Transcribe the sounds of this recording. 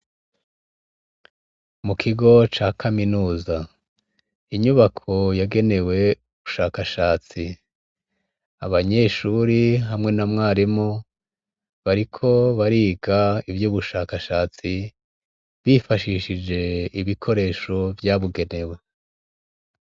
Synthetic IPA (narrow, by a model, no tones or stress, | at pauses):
mukʰiɡo̞t͡ʃaːkʰaminuːza | iɲuβakʰo̞jaɡe̞ne̞we̞uβuʃaːkaʃaːt͡si | aβaɲe̞ːʃuɾiɦamŋe̞namŋaːɾimo | βaɾikʰo̞βaɾiːɡaivjuːβuʃaːkaʃaːt͡si | βifaʃiːʃid͡ʒe̞iβikʰo̞ɾe̞ːʃo̞vjaβuɡe̞ne̞we̞